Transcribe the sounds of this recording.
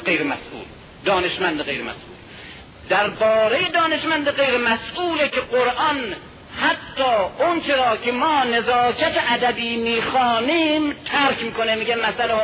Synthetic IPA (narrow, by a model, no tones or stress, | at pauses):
ejɾemæ̰sʔṵːl | d̪ɒːneʃmænd̪eɣejɾemæ̰sʔṵːl | d̪æɾbɒːɾejed̪ɒːne̞ʃmænd̪eɢejɾemæsuːlekʰeɢoɾʔɒn | hæt̪ʰːɒːont͡ʃʰeɾɒːkʰemɒːne̞zɒːkʰæt̪eʔæd̪æbiːmiːxɒːniːmt̪ʰæɾkʰmiːkonemiːɡemæsæle